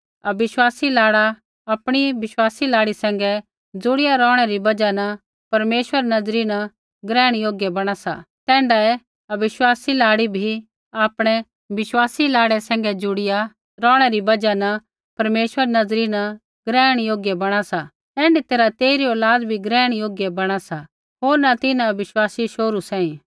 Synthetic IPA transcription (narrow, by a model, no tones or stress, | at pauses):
ɐbɪʃwaːsilaːɽa | ɐpɽ̃iʋɪʃwaːsilaːɽisɛ̃ːŋ̆ɡɛ | d͡zʊɽɪjaɾɔːɽ̃ɛɾibɐd͡ʒanɐ | pɐɾmeːʃʋəɾnɐd͡zɾinɐ | ɡɾɛ̃ːɽ̃joːɡjɛbɐɽ̃asa̰ | t̪ɛ̃ːɳɖaɛ | ɐʋɪʃwaːsilaːɽibʱi | aːpɽ̃ɛ | ʋɪʃwaːsilaːɽɛsɛ̃ːŋ̆ɡɛd͡zʊɽɪja | ɾɔːɽ̃ɛɾibɐd͡ʒana | pɐɾmeːʃwəɾnɐd͡zɾina | ɡɾɛːɽ̃joːɡjɛbɐɽ̃asa | ɛ̃ːɳɖit̪eːɾat̪eːiɾioːlaːd̪bʱiɡɾɛːɽ̃joːɡjɛbɐɽ̃asa | ɦoːɾnat̪ɪnãʋɪʃwaːsiʃoːɾusɛ̃ːĩ